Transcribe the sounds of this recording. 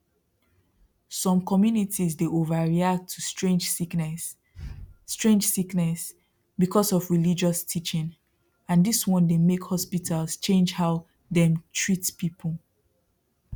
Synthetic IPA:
sɔ̃mkɔmjunitʰizdeʔovaɹiak̚tʰːustɹẽnd͡ʒsiknɛsː | tɹẽnd͡ʒsiknɛs | bikʰɔsɔvɹilid͡ʒɔstʰit͡ʃɪ̃n | ãndiswɔ̃ndemekhɔspitʰalst͡ʃẽnd͡ʒhaʊ | ðɛ̃mtʰɹitpipʰəl

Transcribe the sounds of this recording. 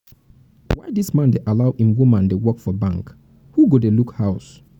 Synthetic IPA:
wajdismãndeʔalaʊhĩmwumãndewɔkfɔbãŋk | huɡodelukhaʊs

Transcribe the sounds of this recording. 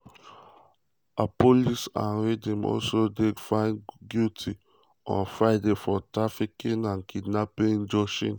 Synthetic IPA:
apolisã̰nɹedĩmɔ̰lsodefãɪ̃nɡjutʰi | ɔ̰̃nfɹajdefɔtɹafikĩnãnkʰidnapẽnd͡ʒɔʃḭ̃n

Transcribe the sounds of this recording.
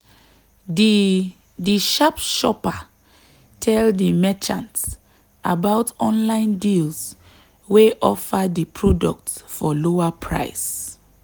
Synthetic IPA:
d | diʃapʃɔpa | tʰɛldimɛt͡ʃã̰nt | ʔa̰baʊtɔ̃nlãɪ̃ndils | weʔɔ̰fadipʰɹɔdɔk̚tfɔloapʰɹa̰ɪs

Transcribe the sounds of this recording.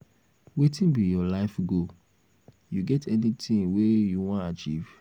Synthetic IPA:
wetĩnbijɔlaɪfɡo | juɡɛtʰɛnitĩŋwejuwɔ̃nat͡ʃḭv̥

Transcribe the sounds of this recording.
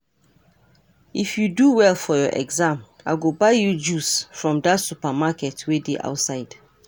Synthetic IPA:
ifjuduwɛlfɔjɔʔɛ̰ɡzãm | aɪɡobaɪjud͡ʒusfɹɔ̃mdatsupamakɛtwedeʔa̰ʊtsaɪd̥

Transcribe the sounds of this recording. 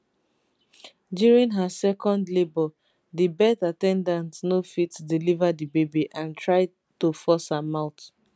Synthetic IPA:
djuɹĩnɦasɛkɔ̃ndlebɔ | dibɛtatɛ̃ndãntnofitdilivadibebiʔãntʰɹaɪ | tofɔshamaʊt

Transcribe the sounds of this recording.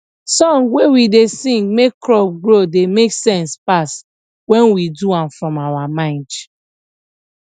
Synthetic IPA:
sɔ̃ŋwewidesĩŋɡmekːɹɔp̚ɡɹodemeksɛ̃nspas | wɛ̃nwiduãmfɹɔ̃mawamãɪ̃nd

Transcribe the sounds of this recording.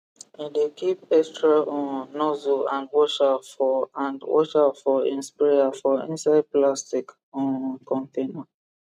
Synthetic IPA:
idekʰip̚ɛstɹaʔɔ̃nnɔzoãndwɔʃafɔãndwɔ̰ʃafɔḭ̃nspaafɔḭ̃nsaɪd̚plastik | ɔ̃nkɔ̃ntʰẽna

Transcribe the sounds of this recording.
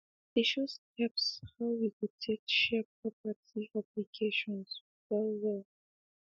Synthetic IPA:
iʃushɛpshawwikud̚tʰekʃɛp̚ʰɹɔpatʰiaplikʰeʃɔ̃ns | fɛwɛl

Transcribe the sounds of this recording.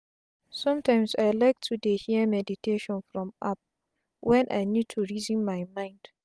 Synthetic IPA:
sɔ̃mtãɪmsaɪlaɪk̚tʰudehimɛditʰeʃɔ̃nfɹɔ̃map̚ | wɛ̃nʔa̰jnjud̚tʰuɹizĩnmaɪmãɪ̃nd̥

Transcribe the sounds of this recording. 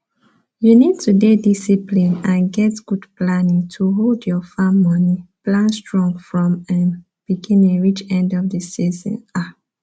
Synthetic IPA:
junid̚tʰudedisiplĩnãnɡɛtɡ̥udplanĩŋtʰuɦoldjɔfaːɔniplãnstɹɔ̃ŋfɹɔ̃mãn | b̥iɡĩneɹit͡ʃɛ̃ndɔvdəsizə̰̃na

